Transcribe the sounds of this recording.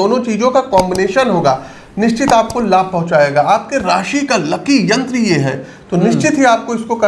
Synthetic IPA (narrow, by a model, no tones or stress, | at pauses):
oːnõt͡ʃiːzõkakɔːmbɪneːʃənɦoːɡaː | nɪʃt͡ʃɪt̪aːp̚kolaːb̚ʱpɐɦʊ̃t͡ʃaːeːɡaːaːp̚keɾaːʃikalɐkijɐ̃nt̪ɾijeɦɛ̰ː | t̪oːnɪʃt͡ʃɪt̪ɦiaːp̚koɪskokɐ